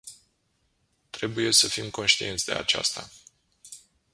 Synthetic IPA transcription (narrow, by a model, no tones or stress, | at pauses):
t̪ɾe̞buje̞səfimko̞nʃt̪ie̞nt̪sʲd̪e̞̰a̰t͡ʃa̰st̪a